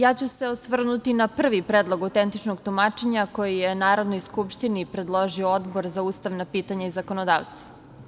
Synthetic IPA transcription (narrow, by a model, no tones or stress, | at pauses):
jaːt͡ɕuse̞osʋr̩nut̪inapr̩ʋipɾeːd̪lˠoɡawt̪ent̪it͡ʃnoɡt̪umat͡ʃe̞ɲako̞jijenaːɾod̪nojskupʃt̪inipɾed̪lˠoʒiood̪boɾzauːst̪aʋnapiːt̪aɲaizako̞nod̪a̰ːʋst̪va